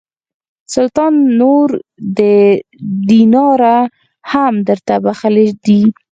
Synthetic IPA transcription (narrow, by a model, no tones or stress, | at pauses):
sʊlt̪ɑnːoɾd̪ə | d̪inɑɾa | hamd̪əɾt̪abaxəled̪i